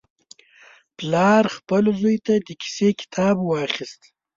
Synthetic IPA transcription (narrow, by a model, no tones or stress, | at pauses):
plɑɾxpəlozojt̪ad̪əkʰi̥sekɪ̥t̪ʰɑbwɑχist̪